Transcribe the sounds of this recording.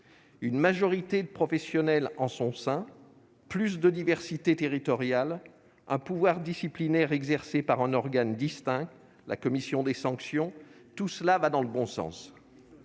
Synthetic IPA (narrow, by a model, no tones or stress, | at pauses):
ynmaʒɔʁit̪ed̪əpχɔfɛsjɔnɛlɑ̃sɔ̃sɛ̃ | plys̬d̪əd̪ivɛʁsit̪et̪eʁit̪ɔʁjal | ɛ̃puvwaʁd̪isiplinɛʁɛɡzɛʁsepaʁɛ̃nɔʁɡand̪ist̪ɛ̃k̚t̪ | la̰kɔmisjɔ̃d̪esɑ̃ksjɔ̃t̪uslavad̪ɑ̃ləbɔ̃sɑ̰̃s